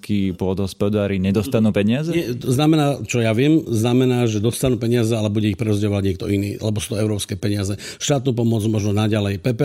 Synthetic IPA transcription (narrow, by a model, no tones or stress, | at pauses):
kʰiːpʊɔd̪ɦɔspɔd̪aːɾiɲɛd̪ɔst̪anuːpɛɲɪazɛɲɛɔznamɛnaːt͡ʃɔjaʋɪɛmznamɛnaːʒɛd̪ɔst̪anuːpɛɲɪazɛalɛbuɟɛixpɾɛɔzɟɛɔʋaɟɲɪɛkt̪ɔinḭːʔa̰lɛbɔsu̥ːt̪ɔɛʊɾɔːpskɛːpɛɲɪazɛ | ʃt̪aːt̪̚nuːp̬ɔmɔd͡zmɔʒnɔnaɟalɛjpɛpɛ